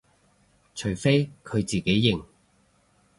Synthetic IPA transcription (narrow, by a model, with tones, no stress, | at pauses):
t͡ʃʰɵ˨˩ɥfe˥jkʰɵ˨˧ɥt͡siː˨˩ke˨˥jːɪ˨ŋ